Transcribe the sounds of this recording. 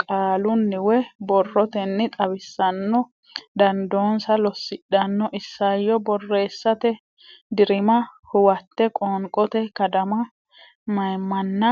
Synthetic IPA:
kʼaːlʊnːɪwɛbɔrːɔt̪ɛnːɪt̪ʼɐbɪsːɐnːɔ | d̪ɐnd̪o̞ːnsɐlɔsːɪɗːɐnːɔʔɪsːɐjːɔbɔrːe̞ːsːɐt̪ɛ | d̪ɪɾɪmɐhʊwɐt̪ːɛkʼoːŋkʼɔt̪ɛkɐd̪ɐmɐ | mɐjmːɐnːɐ

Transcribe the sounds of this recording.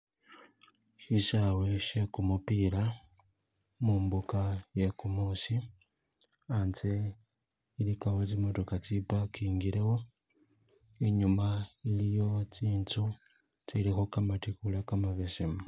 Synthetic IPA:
ʃiʃaweʃe̞kumupiɾa | muːmbukajekumusi | ant͡se | ilikaɣot͡simotokat͡sipakiːŋɡiɾewo̞ | iɲumailijo̞t͡siːntu | t͡silixokamatikulakamaβesimu

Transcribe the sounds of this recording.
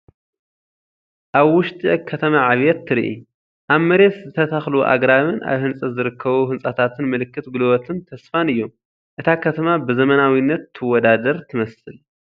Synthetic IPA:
ʔaβwʊʃt̪ʼiʕkʰːɐt̪ʰɐmaʕaβjɛt̪ʰːɨɾiʔḭ | ʔaβmɐɾe̞t̪zɨt̪ʰɐt̪ʰaxluʔa̰ɡɾaβɨnʔa̰βhɨnsʼɐzɨɾɨkːɐβuhɨnsʼat̪ʰat̪ʰɨnmɨlɨkːɨt̪ɡulwɔt̪ʰɨnt̪ʰɐsfanɨjːom | ʔɨt̪ʰakʰɐt̪ʰɐmabɨzɐmɐnawinːɐt̪ʰːɨwɔd̪ad̪ɐɾt̪ʰɨmɐsɨl

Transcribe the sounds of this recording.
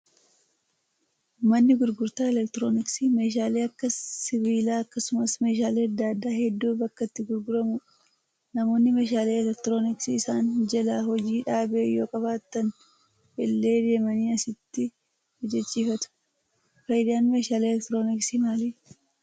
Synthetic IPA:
mɐnːɪɡʊɾɡʊɾt̪aːɛlɛkt̪ɪɾoːnɪksime̞ːʃ̬aːle̞ːɐkːɐsɪviːlaːɐkːɐsʊmɐsme̞ːʃ̬aːleːɐd̪ːad̪ːaːhɛd̪ːuːbɐkːɐt̪ːɪɡʊɾɡʊɾɐmʊᶑ | nɐmo̞ːnːɪmeːʃ̬aːleːɛlɛk̚t̪ɪɾo̞ːnɪksiːsaːnd͡ʒɛlaːhɔd͡ʒiːᶑaːbejo̞̰ːkʼɐβaːt̪ːɐn | bɛlːe̞ːd̪e̞ːmɐniːɐsɪt̪ːɪ | d͡ʒɛt͡ʃʼːiːfɐt̪ʊ̥ | fɐjɪd̪aːnmeːʃaːleːlɛkt̪ɾo̞ːnɪksimaːliː

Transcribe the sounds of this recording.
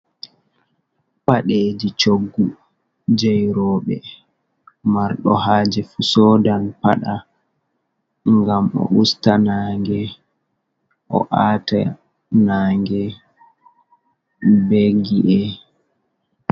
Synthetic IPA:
paɗeːd͡ʒit͡ʃoɡːu | d͡ʒɛjɾɔːɓɛ | maɾɗɔ̰haːd͡ʒɛfusɔdanpaɗa | ŋɡamɔ̰ʔustanaːŋɡɛ | ʔɔ̰ʔaːta | naːŋɡɛ | beɡiʔɛ

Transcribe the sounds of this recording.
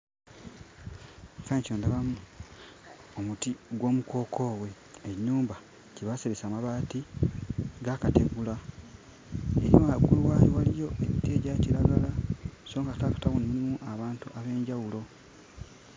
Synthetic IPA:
faɲcoːndaβamu | omutiɡwo̞ːmuko̞ːkʰo̞ːwe̞ː | ɲːuːmba | ciβaseβesaːmaβaːti | ɡakate̞ɡula | eɾioaɡuluwaːjowalijo̞ʔeβiteːɟaciɾaɡalasoːŋɡatakḁtaɣunimulimuʔaβaːntuʔaβe̞ːɲɟawulo̞

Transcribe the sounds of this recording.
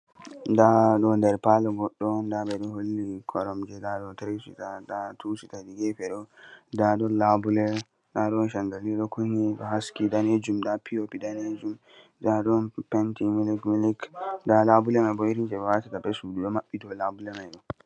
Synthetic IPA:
daɗɔndɛɾpalɔɡɔɗːɔndabɛɗɔholːikʰɔɾɔmd͡ʒɛdaɗɔtɾesḭtadatusitadiɡɛpɛɗɔdaɗɔlabulɛ | ɗaɗɔnʃaŋɡaliɗɔkʰuɲiɗɔ̰ɦaskidaned͡ʒumdapʰiopidaned͡ʒum | d͡ʒaɗɔnpɛntimilikmilikdalabulɛmajbɔiɾind͡ʒɛbɛwatatabɛsuduɗɔmaɓːidɔlabulɛmajɗɔ

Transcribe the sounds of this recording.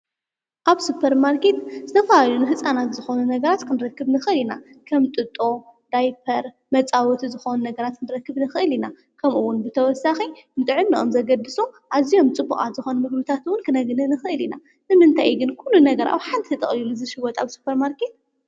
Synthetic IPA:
ʔaβsupʰːɐɾmaɾke̞t̪zɨt̪ʰɐfɐlalunɨɦɨsʼanat̪zɨxo̞nunɐɡɐɾat̪kʰɨnɨɾɐkːɨβnɨxɨɨlinakʰɐmt̪ʼɨt̪ʼo̞d̪̥ajpʰɐɾ | mɐt͡sʼawɔt̪ʰizɨxo̞nunɐɡɐɾat̪̚kʰɨnɨɾɐkːɨβnɨxɨʔɨlina | kʰɐmuwːʊnbɨt̪ʰɐwɔsaxinɨt̪ʼʕɨnːiʔomzɐɡɐd̪ɨsuʔazijo̞mt͡sʼɨbːukʼa̰t̪z̥ɨxo̞numɨɡbɨt̪ʰat̪wʊnkʰɨnɐɡɨnɨnɨxɨʔɨlina | nɨmɨnt̪ʰajɡɨnkʰulːunɐɡɐɾʔa̰wħant̪ʰiɨt̪ʼɐχʼlilɨzɨʃɨwɔt̪ʰʼaβsu̥pʰːɐɾmaɾke̞t̪̚

